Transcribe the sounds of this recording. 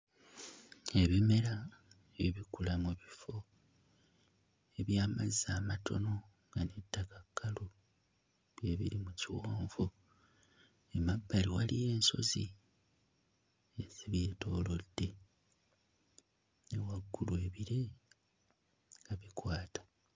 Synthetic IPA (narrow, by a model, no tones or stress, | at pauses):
e̞βime̞ɾa | eβiβikulamuβifo̞ | e̞βjaːmazaːmatʰo̞̰no̞ | ŋɡanetːakakʰːalu | βjeβḭɾimuciwaːɱvu | emabːaliwalije̞ːnso̞̰zi | ez̥iβeto̞ːlo̞dːe̞ | newaɡːulwe̞ːβiɾe | ŋɡaβikwaːtḁ